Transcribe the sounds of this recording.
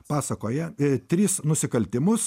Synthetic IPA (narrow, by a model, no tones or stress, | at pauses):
pɑːsɐkoːjɛt̪ʲɾʲiːsnʊsʲɪkɐlʲt̪ʲɪmʊs